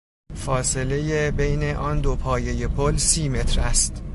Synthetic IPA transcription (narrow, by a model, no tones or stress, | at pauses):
fɒːse̞le̞jebejne̞ʔɒːnd̪opʰɒːje̞je̞pʰolsiːme̞t̪ʰɾæst̪